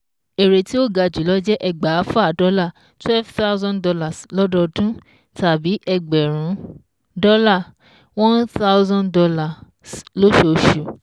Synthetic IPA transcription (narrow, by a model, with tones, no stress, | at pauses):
e˨ɾe˨ti˦o˦˨ɡa˧d͡ʒu˨˦lɔ˦d͡ʒɛ˦ʔɛ˨ɡ͡ba˨a˦fa˦˨dɔ˨˦la˦˨ | twɛ˦vt̪a˦wzɔ̃˦ndɔ˧la˨slɔ˦dɔ˧dũ˦ | ta˨bi˨˦ʔɛ˧ɡ͡bɛ˨ɾ̃ũ˨˦ | dɔ˦la˦˨ | wɔ̃˦nθa˦zɔ̃˦ndɔ˧la˨ | slo˦ʃo˨ʃu˨